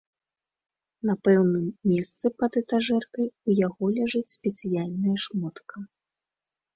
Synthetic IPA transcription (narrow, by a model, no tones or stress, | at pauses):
nɐpɛwnɨmːʲɛst̪sɨpɐt̪ɛt̪aʐɛrkɐjujaɣɔlʲaʐɨt͡sʲsʲpʲɛt̪sɨjalʲnɐjɐʂmɔt̪kɐ